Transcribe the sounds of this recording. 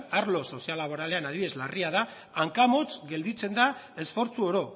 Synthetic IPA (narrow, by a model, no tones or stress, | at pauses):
aɾlo̞so̞sialaβo̞ɾale̞anaðie̞zlariaðaː | ŋkamo̞t͡sɡe̞ld̪it͡se̞nd̪a | e̞sfo̞ɾt͡suo̞ɾo̞